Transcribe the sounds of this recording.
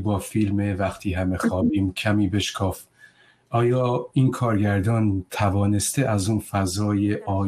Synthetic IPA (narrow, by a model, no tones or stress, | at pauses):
bɒːfilmevæχt̪ʰiːɦæme̞xɒːbiːmkʰæmiːbe̞ʃkʰɒːf | ʔɒːjɒːiːnkʰɒːɾɡæɾd̪ɒːnt̪ʰævɒːne̞st̪eʔæzuːnfæzɒːjeʔɒː